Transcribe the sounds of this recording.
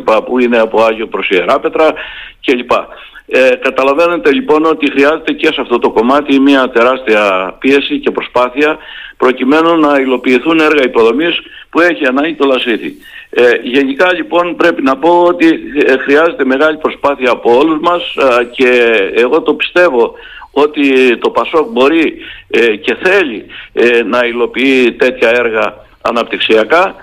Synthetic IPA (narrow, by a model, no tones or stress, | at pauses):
pɐpuine̞ɐpo̞ɐʝo̞pɾo̞sieɾɐpe̞t̪ɾɐce̞ʎipɐ | kɐt̪ɐlɐve̞ne̞t̪e̞ʎipo̞no̞t̪ixɾiɐze̞t̪ece̞seɐft̪o̞t̪o̞ko̞mɐt̪imiɐt̪e̞ɾɐst̪iɐpie̞sice̞pɾospɐθiɐpɾo̞cime̞nunɐilo̞piːθune̞ɾɣɐipo̞ðo̞mis | pue̞çiɐnɐɲɟit̪o̞lɐsiθḭ | ʝe̞nikɐʎipo̞npɾe̞pinɐpo̞o̞t̪ixɾiɐze̞t̪e̞me̞ɣɐʎipɾospɐθiɐːpo̞o̞luzmɐsce̞ːɣo̞t̪o̞pi̥st̪e̞vo̞ | o̞t̪it̪o̞pɐso̞k̚bo̞ɾi | ce̞θe̞ʎinɐilo̞piit̪e̞t̪çɐe̞ɾɣɐ | ɐ̰nɐpt̪iksiɐkɐ